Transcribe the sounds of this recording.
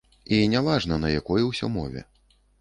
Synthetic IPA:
inʲavaʐnɐnɐjakɔjɛwsʲɔmɔ̰vʲɛ̰

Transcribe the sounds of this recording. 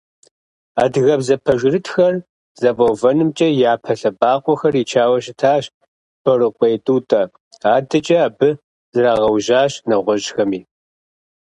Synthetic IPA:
aːdɨɣɐbzɐpʰɐʒɪrɨtʰxɐr | z̥ɐvɐwvɐnɨmt͡ʃʼɐjaːpʰɐɬɐbaːqʷʼɔxɐriːt͡ʃʰaːwɐɕɪtʰaːɕ | b̥ɐrɨqʷʼejtʼuːtʼɐ | aːdɐt͡ʃʼɐːbɨ | z̥ɨraːʁɐwʒaːɕnɐʁʷɔʒxɐmiː

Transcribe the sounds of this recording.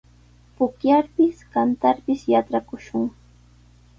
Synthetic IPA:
pʊkjaɾpɪskant̪aɾpɪsjaʈ͡ʂakʊʃʊŋ

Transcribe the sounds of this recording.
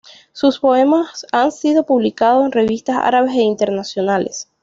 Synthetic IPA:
suspo̞e̞masansiðo̞puβlikaðo̞se̞nre̞βist̪asa̰ɾaβe̞se̞int̪e̞ɾnasjo̞nale̞̰s

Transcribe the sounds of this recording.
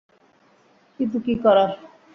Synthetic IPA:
kint̪̬ukikɔɾaɾ

